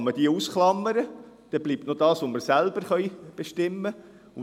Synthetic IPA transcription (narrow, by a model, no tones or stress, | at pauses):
məd̥iusχlɑmːəɾə | d̥ɛblip̚tnodɑːsʋoməɾsælb̥əɾχœjb̥eʃtɪmːə